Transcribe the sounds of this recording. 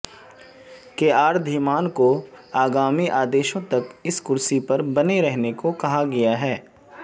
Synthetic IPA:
keaːɾd̪ʱimaːnkoaːɡaːmiʔaːd̪eːʃõt̪ɐkɪskʊɾsipɐɾbɐneɾɛɦnekokɐɦaɡɐjaɦɛː

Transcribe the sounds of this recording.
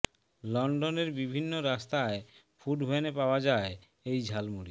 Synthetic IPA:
lɔɳɖoneɾbibʱinːoɾast̪ae | fuɖbʱoenepaoad͡ʑae | ejd͡ʑʱalmuɽi

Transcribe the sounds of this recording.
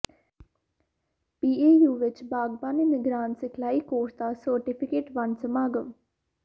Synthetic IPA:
piːeːjuːʋɪt͡ʃbaːɡpaːneːmɪɡɾaːnt̪sɪkʰlaːiːkoːsd̪aːsəɾʈɪpʰɪkeːʈʋansəmaːɡəm

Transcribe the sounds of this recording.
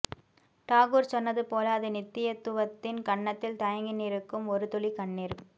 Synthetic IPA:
ʈaːɣɯːɾsɔnːɐðɯpoːlaːɐðɯnɪt̪ːɪjɐt̪ːɯʋɐt̪ːɪnkɐɳːɐt̪ːɪlt̪ɐjɐŋɡɪniːɾɯkːɯmɔɾɯt̪ʊlikɐɳːiːɾ

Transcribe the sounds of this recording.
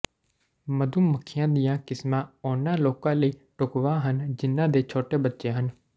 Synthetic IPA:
məd̪uːməkʰːɪjãːd̪ijãːkɪsmãːʊnãːloːkãːləiːʈʊkʋãːɦənd͡ʒɪnːãːd̪eːt͡ʃʰoːʈeːbətːʃeːɦən

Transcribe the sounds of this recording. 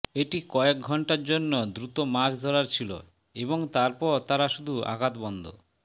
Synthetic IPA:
eʈikɔek̚ɡʱɔɳʈaɾd͡ʑonːod̪ɾut̪omad͡ʑd̪ʱoɾaɾt͡ɕʰilo̰ | eboŋt̪aɾpɔɾt̪aɾaʃud̪ʱua̰ɡat̪bɔnd̪ʱo̰

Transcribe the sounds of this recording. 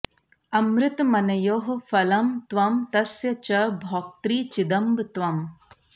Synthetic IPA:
ɐmɾɪt̪mɐnɐjoːɦfɐlɐmt̪ʋɐmt̪ɐsjɐt͡ʃɐbʱɔːk̚t̪ɾiːt͡ʃid̪ɐmbt̪ʋɐm

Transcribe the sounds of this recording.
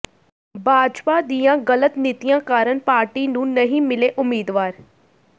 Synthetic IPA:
bʱaːd͡ʒpad̪ijãɣɐlət̪nɪt̪ijãkaːɾəɳpaːɾʈinũːnɐɦĩmɪleʔʊmːiːd̪ʋaːɾ

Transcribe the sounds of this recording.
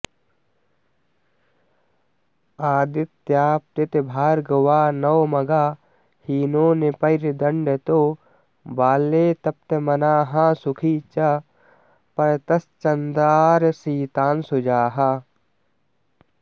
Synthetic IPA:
aːd̪ɪt̪ːjaːp̚t̪ɪt̪ebʱaːɾɡɐwaːnɐwmɐɡaː | hiːnoːnepɐjɾd̪ɐɳɖet̪oː | baːlːeːt̪ɐp̚t̪emɐnaːɦãːsʊkʰit͡ʃɐ | pɐɾt̪ɐst͡ʃɐnd̪aːɾsiːt̪aːnsʊd͡ʒaːɦaː

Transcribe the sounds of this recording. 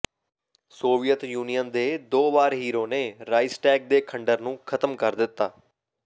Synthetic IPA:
soːʋijət̪juːnijənd̪eːd̪oːbaːɾɦiːɾoːneːɾaːɪsʈɛːk̚d̪eːkʰəɳɖəɾnũːkʰət̪əmkəɾd̪ɪt̪ːaː

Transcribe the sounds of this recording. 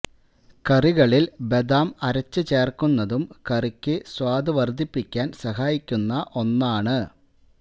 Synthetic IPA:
kɐriɣɐɭilbe̞d̪aːmɐɾɐt͡ɕːɨt͡ɕe̞ːrkunːɐðumkɐrikʲːɨswaːd̪ɨʋɐrd̪ʱipːikʲːaːnsɐɦaːjikʲːunːɐʔo̞nːaːɳɨ

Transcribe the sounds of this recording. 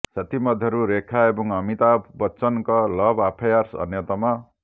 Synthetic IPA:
sʌt̪imʌd̪ʱjʌɾuɾekʰːaebʌŋʌmit̪abbʌt͡sʌnkʌlʌbapʰajarsʌ̰njʌt̪ama

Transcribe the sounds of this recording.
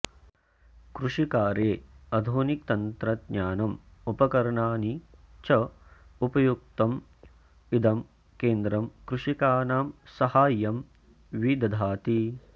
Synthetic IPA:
kɾuʂikaːɾeːɐd̪ʱoːnik̚t̪ɐnt̪ɾɐd̪ɲaːnɐmupɐkɐɾɐɳaːni | t͡ʃɐupɐjuk̚t̪ɐm | id̪ɐm | keːnd̪ɾɐmkɾuʂikaːnaːmsɐhaːjɐm | ʋid̪ɐd̪ʱaːt̪i

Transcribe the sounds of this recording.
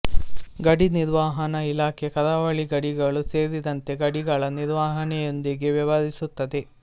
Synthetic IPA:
ɡɐɽiniɾʋaːɦɐnɐilaːkʰekɐd̪aːʋɐɭiɡɐɽiɡɐɭuse̞ːɾid̪ɐnt̪e̞ɡɐɽiɡɐɭɐniɾʋaːɦɐnɛjond̪iɡeʋiʋaːd̪isut̪ːɐd̪e̞

